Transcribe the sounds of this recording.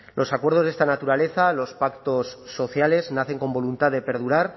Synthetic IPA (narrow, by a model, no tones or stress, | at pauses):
lʔo̞sakwe̞ɾð̞o̞zðest̪anat̪uɾale̞θalo̞spakt̪o̞sːo̞θjale̞znaθe̞ŋko̞mbo̞lunt̪aððe̞pe̞ɾðuɾaɾ